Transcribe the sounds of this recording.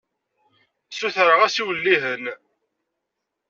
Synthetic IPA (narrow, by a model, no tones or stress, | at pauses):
suθɾəʁæsiwəlːiɦən